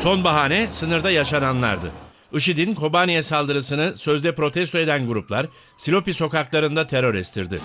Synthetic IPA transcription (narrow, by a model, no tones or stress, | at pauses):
so̞nbaɦaːnɛsɯnɯɾd̪ajaʃananlˠa̰ɾd̪ɯ̰ | ɯʃ̬id̪inkʰo̞banijɛsalˠd̪ɯɾɯsɯnɯsø̞zd̪ɛpɾo̞t̪ʰɛst̪oed̪ænɡuɾuplˠaɾ | silʲo̞piso̞kaklˠaɾɯnd̪at̪ʰe̞ɾo̞ɾɛst̪ʰiɾd̪ɪ̰